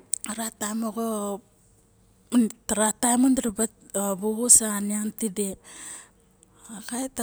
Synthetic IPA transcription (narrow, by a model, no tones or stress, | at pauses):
aɾatajmoɡo | taɾatajmondɾababuɡusaniantide | akajt